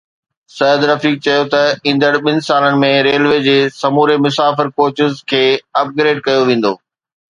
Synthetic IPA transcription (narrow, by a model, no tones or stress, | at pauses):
sɐjəd̪ɾɐfiːk̚t͡ɕɐjot̪ɐĩːn̆d̪əɽɓɪnɪ̆saːlənɪ̆mẽɾeːlʋeːd͡ʑeːsɐmuːɾemʊsaːfɪɾkoːt͡ɕɪzkʰeːɐp̚ɡɾeːɖ̚kɐjoʋẽːn̆d̪oː